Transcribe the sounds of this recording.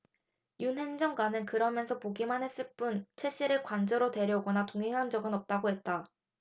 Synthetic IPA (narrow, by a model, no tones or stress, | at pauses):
junɦe̞nd͡ʑʌŋɡwanɯnkɯɾʌmjʌnsʰʌpoɡimanɦe̞s͈ɯɭp͈unt͡ɕʰwe̞ɕ͈iɾɯɭkwand͡ʑʌɾote̞ɾjʌɡʌnatoŋɦeŋɦand͡ʑʌɡɯnʌp̚t͈aɡoɦe̞t̚t͈a